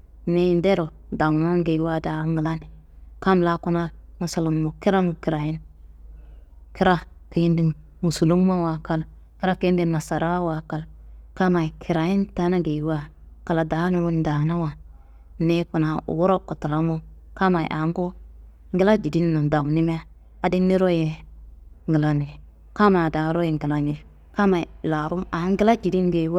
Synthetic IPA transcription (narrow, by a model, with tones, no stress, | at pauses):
ne˦i˦nde˦ɾo˨ | da˨ŋma˦ŋɡe˨˦wa˦da˨˦ŋɡi˨la˦ni˨ | ka˦m˦la˦ku˦na˦mu˨su˨lu˨mmo˨ki˦ɾa˦ŋ˨ki˨ɾa˨ji˦n | ki˦ɾa˦ki˨ji˦ndi˨ŋ | mu˨su˨lu˦ŋ˦ma˦wa˨ka˦l | ki˦ɾa˦ki˦i˦ndi˨ma˨sa˨ɾa˦wa˨ka˨lka˦ma˨i˨kʰi˨ɾa˨ji˦nta˦na˦ɡe˨wa˦ | ka˨la˨da˨˦nu˨wu˦n˦da˨na˦wa˨ | ne˦ku˨na˨ṵ˨wo˦ɾo˦kːu˨ta˨la˦mu˦ka˦ma˨j̰ʔa˨˦ŋ˦ɡo˦ | ŋ˦ɡi˦la˦d͡ʒi˨di˦nː˦u˨da˨m˨ni˦m˦a˦ | a˨˦di˦nnːi˦ɾo˦je˨ | ŋɡi˨la˨ni˨ | ka˦ma˨da˨˦ɾo˦ji˨ŋɡi˨la˨ni˨ | ka˦ma˨i˨la˨ɾu˦ma˨˦ŋ˦ɡi˦la˦d͡ʒi˨di˦nɡe˨˦wa˦